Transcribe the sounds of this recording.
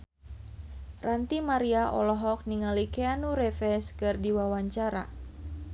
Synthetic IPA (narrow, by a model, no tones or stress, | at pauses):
rant̪imaɾiaʔɔ̰lɔɦɔk̚niŋalikeanuɾɛfɛskɨrdiwawaɲt͡ʃaɾa̰